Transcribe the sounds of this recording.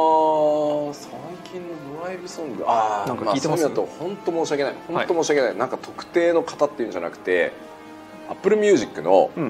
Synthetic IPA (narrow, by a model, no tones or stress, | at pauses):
a | sãŋkʲĩnːo̞d̪oɾaibɯ̟sõ̞ŋɡɯ̟anãŋkamaiseomiat̪ːohõ̞nt̪o̞mo̞ːɕiake̞naihõ̞nat̪o̞mo̞ːɕiake̞nainãŋkat̪o̞kɯ̟̥t̪e̞ːno̞kḁt̪at̪ːeiɯ̟nɲd͡ʑa̰na̰kɯ̟̥t̪e̞̰ | apːɯ̟ɾɯ̟mʲɨɯ̟ːʑikːɯ̟no̞̰